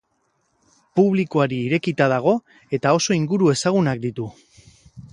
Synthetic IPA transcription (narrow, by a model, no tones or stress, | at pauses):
puβ̞likoaɾiːɾe̞kit̪að̞aɣ̞o̞ | e̞t̪ao̞so̞iŋɡuɾue̞saɣ̞unak̚d̪it̪u